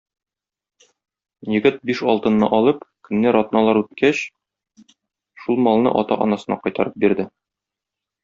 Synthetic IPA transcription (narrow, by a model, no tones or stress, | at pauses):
jɘ̆ɡɘt̪̚biʃɒlˠt̪ɤ̆nːɤ̰ʔɒlˠɤpkɵ̆nːæɾɒt̪nɑlˠɑɾʉt̪kʰæɕ | ʃulˠmɒlˠnɤ̰ʔɒt̪ɑ̰ʔɒ̰nɑsɤ̆nɑ̰qɒjt̪ɑɾɤp̚biɾd̪ɘ